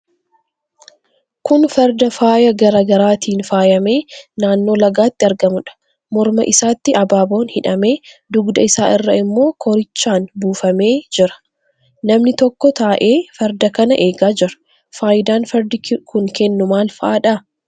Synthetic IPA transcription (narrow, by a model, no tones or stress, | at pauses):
kʊnfɛɾd̪ɐfaːjɐɡɐɾɐɡɐɾaːt̪iːnfaːjɐme̞ːnaːnːo̞ːlɐɡaːt̪ːɪɐɾɡɐmʊᶑɐ̥ | mɔɾmɐ̰ʔɪsaːt̪ːɪʔɐbaːbo̞ːnhɪᶑɐme̞ːd̪ʊɡd̪ɐɪsaːʔɪrːɐɪmːo̞ːkʰɔɾɪt͡ʃːaːnbuːfɐme̞ːd͡ʒɪɾɐ̥ | nɐmnɪt̪ɔkːɔt̪aːʔeːfɛɾd̪ɐkɐnɐʔe̞ːɡaːd͡ʒɪɾɐ̥ | faːjɪd̪aːnfɐɾd̪ɪkʰʊŋkɛnːʊmaːlfɐʔaːᶑaː